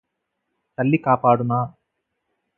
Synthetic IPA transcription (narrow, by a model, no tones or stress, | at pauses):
t̪ɐlːikaːpaːɽunaː